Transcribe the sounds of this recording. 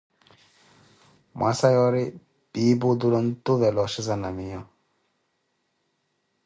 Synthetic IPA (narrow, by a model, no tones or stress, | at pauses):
mwʔasajɔɾi | b̥ibud̪ulɔnt̪uvɛlɔʃizanamijɔ